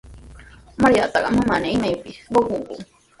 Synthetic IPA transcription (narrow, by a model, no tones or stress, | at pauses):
maɾiat̪ɑɢɑmamanaimajpɪswokoŋkʊ̰